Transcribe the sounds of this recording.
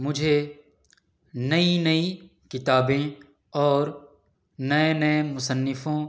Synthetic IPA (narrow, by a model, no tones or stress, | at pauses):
mʊd͡ʒʱe | nɐinɐi | kɪt̪aːbẽ | ɔːɾ | nɐẽnɐẽmʊsənːɪfõ